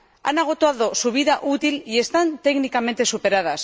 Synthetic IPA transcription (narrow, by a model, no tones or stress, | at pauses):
a̰naɣ̞o̞t̪oaðo̞suβ̞iðaʔut̪ilie̞st̪ant̪e̞ɣnikamẽ̞nt̪e̞supe̞ɾað̞as